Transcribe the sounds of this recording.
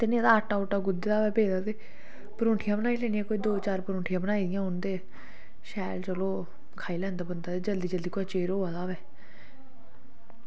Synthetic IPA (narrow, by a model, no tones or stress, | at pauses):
t̪eːnẽd̪aːəʈːaːoʈaːɡʊd̪eːd̪aːʋɛːbeːd̪aːt̪eː | pəɾõːʈʰɪjãːbənaːiːlɛːnjãːkoːiːd̪oːt͡ʃaːɾpəɾõːʈʰijãːbənaːid̪ɪjãːʊnd̪eː | ʃɛːlt͡ʃəloː | kʰaːiːlɛ̃ːnd̪aːbənd̪aːt̪eːd͡ʒəld̪iːd͡ʒəld̪iːkoat͡ʃeːɾɦoːad̪aːʋɛː